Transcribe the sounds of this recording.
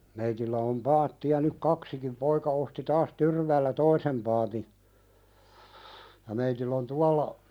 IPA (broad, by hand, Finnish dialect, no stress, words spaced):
meitilːæ om pɑːtːiɑ nyk kɑksikim poikɑ osti tɑːs tyrʋæːlːæ toisem pɑːti jɑ meitilː on tuɑlːɑ